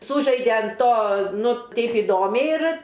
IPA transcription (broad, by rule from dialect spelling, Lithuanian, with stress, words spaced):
ˈsuːʒɐɪdʲɛ ɐn ˈtoː ˈnʊ ˈtɐɪp ɪˈdoːmʲɛɪ ɪr